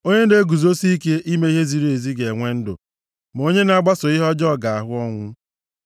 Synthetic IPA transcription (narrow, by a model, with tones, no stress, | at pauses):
o˦ɲe˦ne˦ɡu˨zo˦si˦i˦ke˦ʔi˦me˦i˦ɦe˦zi˦ɾi˦e˨zi˦ɡe˨ŋʷe˦n̩˦dʊ̰˨ | m˨o˦ɲe˦na˨a˦˨ɡ͡ba˦sʊ˨i˦ɦɔ˦d͡ʒɔ˦˨ɡa˨a˨ɦʊ˦ɔ˦ŋʷʊ˦